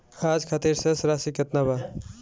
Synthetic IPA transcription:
ad͡ʒkʰat̪iɾsesɾasiket̪naba

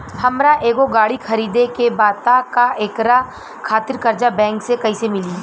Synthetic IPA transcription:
hɐmɾaʔeːɡoɡaːɽixʰɐɾiːd̪ekebaːt̪akaʔeːkɾa | kʰaːt̪ɪɾkɐɾd͡ʒabɛ̃ːŋksekɐisemɪliː

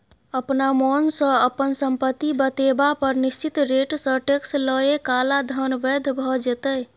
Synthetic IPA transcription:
əpnamonsə̃əpənsəmpət̪ːibət̪ebapəɾnist͡ʃit̪ɾeʈsə̃ʈeksləjekalad̪ʱənbɛd̪ʱbʱɔd͡ʒet̪əj

